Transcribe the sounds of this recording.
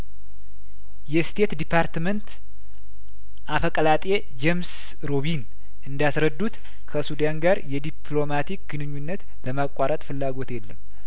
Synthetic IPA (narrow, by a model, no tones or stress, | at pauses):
jɛst̪ʰe̞t̪d̪ipʰaɾt̪mənt̪ | ʔafəkʼəlat̪ʼe | d͡ʒems | ɾo̞βin | ʔɨnd̪asɾəd̪ːut̪ | kʰəsud̪anɡaɾjɛd̪ipʰlo̞mat̪ik̚ɡ̥ɨnɨɲːunːət̪ | bəmakʷʼaɾət̪ʼfɨlːaɡo̞t̪jɛlːəm